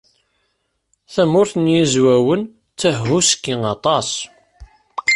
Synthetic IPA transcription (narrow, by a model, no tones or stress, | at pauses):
θæmʊɾθənjizwæwən | t͡sːəhɦuskːiŋɑt̪ˤɑs